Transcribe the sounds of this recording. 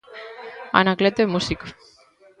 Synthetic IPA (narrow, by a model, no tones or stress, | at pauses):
a̰naklet̪emusiko